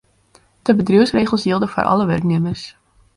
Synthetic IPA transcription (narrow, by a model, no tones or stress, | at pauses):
d̥əbədryəwsreːχəl̩ˠsjiəlˠdəfa̰rʔɑ̰ləʋɛ̰rkneəmərs